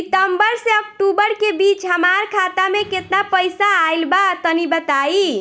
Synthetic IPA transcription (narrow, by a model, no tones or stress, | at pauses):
ʈ̪əmbəɾseək̚ʈubəɾkebit͡ʃɦəmaɾkʰat̪amẽket̪napəjsaːjlbat̪ənibət̪ai